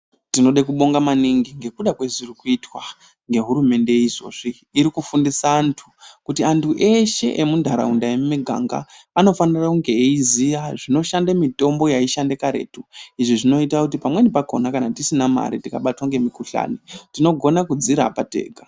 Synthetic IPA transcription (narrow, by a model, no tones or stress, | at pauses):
tino̞ɗekuɓo̞ŋɡamaniŋɡiŋɡe̞kuɗakwe̞zirikuitwa | ŋɡe̞ɦuɾume̞nde̞iʐo̞̰ʐiː | ɾikufundisaːntʰukutiantʰuʔe̞ʃe̞̰ʔemundʱaɾa̰undaemmiɡʱa̰ŋɡa̰ːno̞fanirakuŋɡe̞eizijaʐino̞ʃandemito̞mbo̞jaiʃandekaɾe̞̰ːtuiʐiʐino̞itakut̬ipamwenipako̞nakanatisinama̰ɾitikaɓatwaŋɡe̞mikuɬa̰ːnitino̞ɡʱo̞nakud͡ziɾa̰patḛːɡʱa